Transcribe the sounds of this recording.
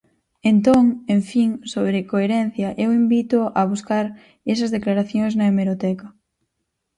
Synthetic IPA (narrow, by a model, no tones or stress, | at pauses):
ent̪oŋeɱfiŋsoβ̞ɾekoeɾɛn̟θjɐʔewimbit̪oɐβ̞uskaɾ | esɐzðeklaɾaθjõŋznɐemeɾot̪ɛkɐ